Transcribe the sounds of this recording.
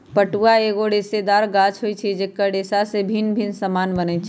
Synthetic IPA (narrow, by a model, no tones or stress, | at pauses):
pəʈuaeɡoɖesed̪aɾɡat͡ʃʰɦojt͡ʃʰid͡ʒekːəɖesasebʱinbʱinsəmanbənɛt͡ʃʰi